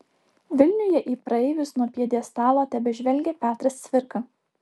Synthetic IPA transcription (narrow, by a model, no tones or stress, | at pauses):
ʋʲɪlʲnʲʊjɛʔiːpɾɐɛɪʋʲʊsnuɔpʲiɛd̪ʲiɛst̪ɑːlˠoːt̪ʲɛbʲɛʒʲʋʲɛlʲɡʲɛpʲæːt̪ɾɐst̪sʲʋʲɪɾkɐ